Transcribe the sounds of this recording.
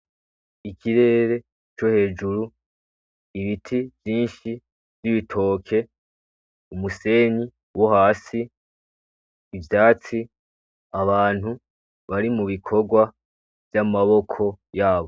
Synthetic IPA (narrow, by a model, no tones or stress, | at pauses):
ikʰiɾe̞ːɾe̞ | t͡ʃo̞he̞ːd͡ʒuɾu | iβitʰivjiːnʃi | vjiβitʰo̞ːkʰe̞ | umuse̞ːɲi | wohaːsi | vjaːt͡si | aβaːn̥hu | βaɾimuβikʰo̞ɡwa | v̥jamaβo̞kʰo̞jaːβo̞